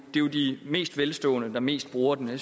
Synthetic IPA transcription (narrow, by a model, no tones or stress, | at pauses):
d̥e̝ʊd̥ime̝̰ːsd̥ʋelsd̥ɔ̰̽ːnəd̥ɑ̈me̝̰ːsd̥̚b̥ʁuːɐd̥ene